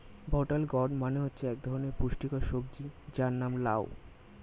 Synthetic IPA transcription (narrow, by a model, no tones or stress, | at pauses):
bʱɔʈalɡɔɖmaneɦotːɕʰeɛk̚d̪ʱɔɾoneɾpuʃʈikaʃob̚d͡ʑid͡ʑaɾnamlao̰